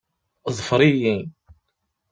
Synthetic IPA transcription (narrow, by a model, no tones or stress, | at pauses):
zˤfɾijin